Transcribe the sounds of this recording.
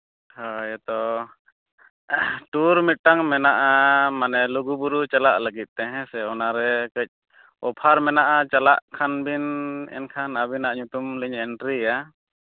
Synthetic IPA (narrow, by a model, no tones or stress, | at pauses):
hajɛt̪ɔ | ʈuɾmit̪̚ʈaŋmɛnaʔamanɛluɡubuɾut͡ʃalaʔləɡit̪̚ˀt̪ɛɦɛ̃sɛɔnaɾɛkəc̚ˀ | ɔpʰaɾmɛnaʔat͡ʃalaʔkʰanbinɛ̰nkʰanabinaʔɲut̪umliɲɛɳʈɾija